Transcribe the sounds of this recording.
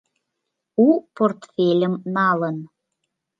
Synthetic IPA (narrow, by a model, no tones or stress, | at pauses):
uport̪fʲelʲəmnɑlən